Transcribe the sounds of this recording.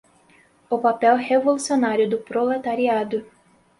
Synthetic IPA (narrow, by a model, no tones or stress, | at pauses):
ʊpapɛwhevolusionaɾjʊd̪ʊpɾolet̪aɾiad̪ʊ